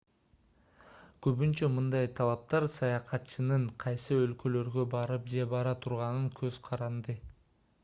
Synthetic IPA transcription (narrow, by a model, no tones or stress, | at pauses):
køβynt͡ʃømɯnd̪ɑjt̪ʰɑlˠɑp̚t̪ɑɾsɑjɑqʰɑt̪t͡ʃɯnɯɴqʰɑjsɯølkø̞lø̞ɾɡøbɑɾɯp̚d͡ʒe̞bɑɾɑt̪ʰuɾʁɑnɯŋkʰøz̥qʰɑɾɑnd̪ɯ